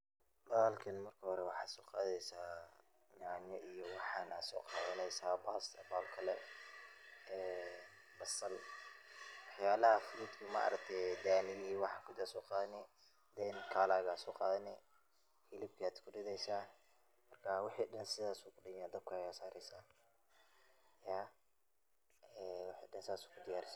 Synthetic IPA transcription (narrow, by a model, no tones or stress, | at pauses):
bɐalkʰɐnmɐrkʰɐhɔɾɛwɑħɑːd̪sɔːqɑːðɛjsaː | ɲaʕnɔʔijɔwɑħɑːna̰d̪sɔ̰ːqɑːðɐnɛjsaːbaːsɐ̰baːlkʰɐlɛ | ɛːn | bɐsɐl | wɑħjaːlɐhɐfʊluːd̪kʰʊma̰ːʔɐ̰ɾɐk̚t̪ʰɛd̪aːnɪjiwɑħɑkʰʊd̪aːsɔːqɑːðɐnɛ | d̪ɛːnkʰaːlaːɣasɔːqɑːðɐnɛ | hɪlɪb̚kʰiaːd̪kʰʊɖɪðɛjsaː | mɐrkʰɐwɑħiːɗɐnsɪðaːsuːkʰʊɖɪɣnaːd̪ɐb̚kʰʊɛjasaːɾɛjsaː | jaː | ɛːwɑħḭːɖɐnsɪðaːsuːkʰʊd̪ɪjaːɾɪs